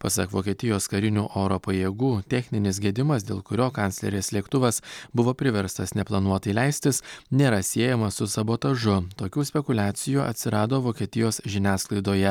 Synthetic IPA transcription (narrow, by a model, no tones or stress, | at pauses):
pɐsɐkʋoːkʲiɛt̪ʲɪjoːskɐɾʲɪnʲuːʔoːɾoːpɐjeːɡuːt̪ʲɛxʲnʲɪnʲɪs̬ɡʲeːd̪ʲɪmɐs̬d̪ʲeːlˠkʊɾʲoːkɑnt̪ʲlʲɛ̰ɾʲeːslʲiɛkt̪ʊʋɐsbʊʋoːpʲɾʲɪʋʲɛɾst̪ɐsnʲɛplˠɐnuɔt̪ɐɪlʲæɪsʲt̪ʲɪsnʲeːɾɐsʲiɛjɛmɐsʊsɐboːt̪ɐʒʊt̪oːkʲuːsʲpʲɛkʊlʲæːt̪sʲɪjuːʔɐ̰t̪ʲsʲɪɾɑːd̪oːʋoːkʲiɛt̪ʲɪjoːsʒʲɪnʲæːsklˠɐɪd̪oːjɛ